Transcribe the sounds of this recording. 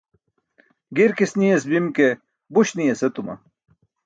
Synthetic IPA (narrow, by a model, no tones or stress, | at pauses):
ɡiɾkisnijesbimke | buɕnijeset̪umɐ̰